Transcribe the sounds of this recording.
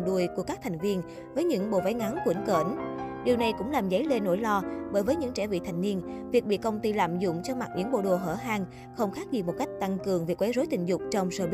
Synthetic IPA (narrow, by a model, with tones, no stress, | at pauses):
ɗu˧˩əjku˧˩əkaː˦˥kt̪ʰa˨˩jŋ̟vi˧ən | vəː˨˦jɲɨ̰˧˥ŋɓo̰˧˨va˨˦jŋa˨˦nkwi˧˩˦nkə˧˩nɗi˨˩əwna˨˩jkʊ̰˧˥ŋ͡mlaː˨˩mzə˨˦jle˧nːo̰˧˥˩jlɔ˧ɓəː˧˩jvəː˨˦jɲɨ̰˧˥ŋt͡ɕɛ˧˩vḭ˧˨t̪ʰa˨˩jŋ̟ni˧ənvi˨˩ək̚ɓḭ˧˨kə˧wŋ͡mt̪i˧la̰ː˧˨mzʊ̰˧˨ŋ͡mt͡ɕɔ˧ma˨˩t̚ɲɨ̰˧˥ŋɓo̰˧˨ɗo˨˩ɦəː˧˩ɦaː˧ŋ | xə˧wŋ͡mxaː˦˥k̚zi˨˩mo˨˩t̚ka˦˥jk̚t̪a˧ŋkɨ˨˩əŋvi˨˩k̚wa˨˦jzo˨˦jt̪ï˧˨˩ŋ̟zʊ˨˩k͡p̚t͡ɕɔ˧wŋ͡msəː˧˩ɓi˦